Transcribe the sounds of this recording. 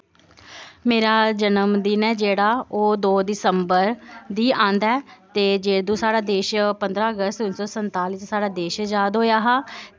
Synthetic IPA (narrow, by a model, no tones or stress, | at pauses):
meːɾaːd͡ʒənəmd̪ɪnɛːd͡ʒeːɽaːoːd̪oːd̪ɪsəmbəɾd̪iːãːnd̪aːɛːt̪eːd͡ʒeːd̪ũːsaːɽaːd̪eːʃpənd̪ɾaːəɡəst̪ʊnsɔːsənt̪aːliːt͡ʃsaːɽaːd̪eːʃd͡ʒaːd̪ɦoːjaːɦaː